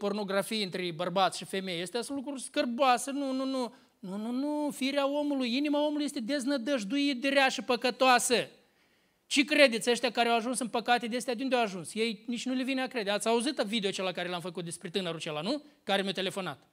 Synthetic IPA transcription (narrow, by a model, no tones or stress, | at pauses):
po̞rno̞ɡɾafijɨnt̪ɾebərbat̪sʃife̞me̞jjest̪easũnlukɾuskərboasənununu | nununufiiɾeao̞mulujinimao̞muluje̞st̪ed̪e̞znəd̪əʒd̪ujit̪̚d̪ɾeaʃipəkət̪oasə | t͡ʃekɾe̞d̪et̪sʲəʃt̪eakaɾeawaʒunsɨnpəkat̪ed̪east̪ejad̪eund̪eawaʒunsje̞jnit͡ʃʲnulevineakɾed̪eat̪sʲauzit̪vid̪eot͡ʃelakaɾeleamfəkut̪̚d̪e̞spɾet̪ɨnəɾut͡ʃelanukaɾemʲat̪e̞le̞fo̞na̰t̪